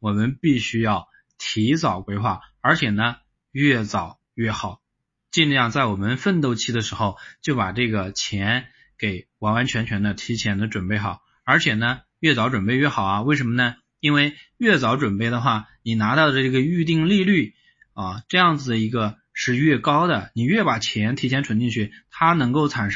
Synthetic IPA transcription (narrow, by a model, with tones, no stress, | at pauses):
wɔ˨˩mə˦npi˥˩ɕy˥jɑ˥˩ʊ | t̪ʰi˧˥t͡sɑ˨˩ʊkwe˧˥ɪxwa˥˩ə˞˧˥t͡ɕʰjɛ˨˩nə˦ | ɥɛ˥˩t͡sɑ˨˩˦ʊ | ɥɛ˥˩xɑ˨˩˦ʊ | t͡ɕi˥˧l̩˥˧jɑ˥˧ŋt͡sa˥˩ɪwɔ˨˩mə˦nfə˥˧nt̪̬o˥˧ʊt͡ɕʰi˥˩d̪ə˩ʂɻ̩˧˥xo˥˧ʊt͡ɕjo˥˩ʊpa˨˩ʈ͡ʂɤ˥˩ɡə˩t͡ɕʰjɛ˧˥n | ke˨˩ɪwɑ˧˥wa˧˥nt͡ɕʰɥɛ˧˥nt͡ɕʰɥɛ˧˥nd̪ə˧t̪ʰi˧˥t͡ɕʰjɛ˧˥nd̪ə˧ʈ͡ʂwə˨˩npe˥˩ɪxɑ˨˩˦ʊ | ə˞˧˥t͡ɕʰjɛ˨˩nə˦ | ɥɛ˥˩t͡sɑ˧˥ʊʈ͡ʂwə˨˩npe˥˧ɪɥɛ˥˩xɑ˨˩ʊɐ˦we˥˩ʂ̬ə˧˥mə˧nə˩ | i˥nwe˥˧ɪɥɛ˥˩t͡sɑ˧˥ʊʈ͡ʂwə˨˩npe˥˩ɪd̪ə˩xwa˥˩ni˨˩na˧˥t̪ɑ˥˩ʊɾə˩˧˥ɡə˧y˥˧t̪̬i˥˧ŋli˥˧ly˥˩ | ɐ˧˩ʈ͡ʂɤ˥˧jɑ˥˩ŋd͡zɹ̩˩d̪ə˩i˧˥ɡə˧ | ʂɻ̩˥˧ɥɛ˥˩kɑ˥ʊd̪ə˨ni˨˩ɥɛ˥˩pa˨˩t͡ɕʰjɛ˧˥nt̪ʰi˧˥t͡ɕʰjɛ˧˥nʈ͡ʂʰwə˧˥nt̪i˥˧ŋt͡ɕʰy˥˩t̪ʰa˥nɤ˧˥ŋko˥˩ʊt͡sʰa˨˩nʂ